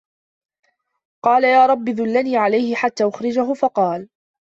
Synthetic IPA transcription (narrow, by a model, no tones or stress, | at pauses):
qɑːlajaːɾˤɑbːɪðʊlːaniːʕalajhɪħat̪ːaːʔʊxɾɪd͡ʒaɦʊfɑqɑːl